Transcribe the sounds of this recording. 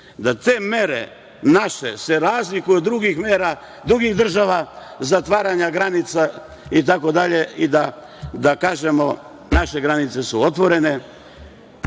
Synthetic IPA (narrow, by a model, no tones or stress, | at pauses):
d̪at̪eːme̞ɾḛ | naʃe̞se̞ɾaːzlikujud̪ːɾuɡixmeːɾa | d̪ɾuɡiɣd̪r̩ʒaʋazat̪ʋaːɾaɲaɡɾanit̪sa | it̪ako̞d̪aʎe̞id̪a | d̪akaːʒe̞mo̞ | naʃe̞ɡɾanit̪se̞suot̪ʋo̞ɾe̞ne̞